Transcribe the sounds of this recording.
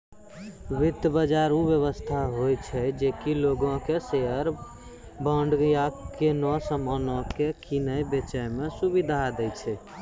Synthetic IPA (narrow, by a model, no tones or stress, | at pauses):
ʋid̪bəd͡ʒaɾubjəβəst̪ʰaɦojt͡ʃʰɛd͡ʒekiloɡõkeseɦəɾ | bəɳɖjakenɔsəmənɔ̃kekinəjbet͡ʃəjmesubid̪ʱad̪ɛjt͡ʃʰɛ